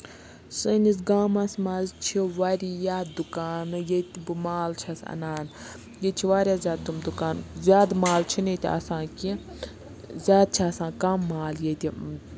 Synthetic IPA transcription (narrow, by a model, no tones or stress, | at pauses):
sɨnis̬ɡaːmɐsmazt͡ʃʰiʋaɾiːjaːd̪ukaːnɨjet̪ibɨmaːlt͡ʃʰɐsɐ̰naːn | jet͡ʃʰiʋaːɾʲjaːzʲaːd̪̚t̪umd̪ukaːnzʲjaːd̪maːlt͡ʃʰinit̪ʲiɐ̰sãːki | zʲaːd̪̚t͡ʃʰiɐsãːkɐmːaːljet̪ʲi